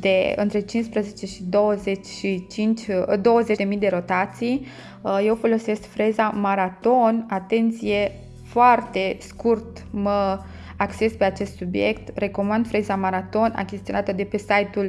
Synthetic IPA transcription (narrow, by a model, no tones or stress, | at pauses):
d̪̥e̞ɨ̰nt̪ɾe̞t͡ʃinspɾəze̞t͡ʃe̞ʃid̪owəze̞t͡ʃʲʃit͡ʃint͡ʃʲd̪o̞wəze̞t͡ʃd̪e̞mijd̪e̞ɾo̞t̪at̪sij | je̞wfo̞lo̞se̞skfɾezamaɾat̪o̞nat̪e̞nt̪sije̞ | foart̪e̞skurt̪ | mə | akt͡ʃe̞spe̞at͡ʃe̞st̪subije̞kt̪re̞ko̞mand̪fɾezamaɾat̪o̞na̰kʲest̪ionat̪əd̪e̞pe̞sajt̪ul